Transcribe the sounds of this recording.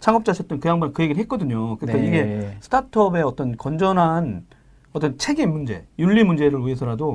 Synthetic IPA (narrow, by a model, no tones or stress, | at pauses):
t͡ɕʰaŋʌp̚t͡ɕ͈at͡ɕʰek̚t͈ɯnkɯjaŋbannkɯje̞ɡiɭɦet̚k͈ʌdɯɲokɯɾik͈ːaiɡe̞sʰɯ̥tʰatʰʌbe̞ʌt͈ʌnkʌnd͡ʑʌnɦan | ʌt͈ʌnt͡ɕʰe̞ɡimmːund͡ʑe̞̰juɭːimund͡ʑe̞ɾɯɭuesʰʌɾado